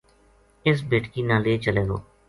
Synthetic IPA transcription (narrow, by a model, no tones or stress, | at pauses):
ɪs̬beːʈkiːnãːleːt͡ʃəleːɡo̰ː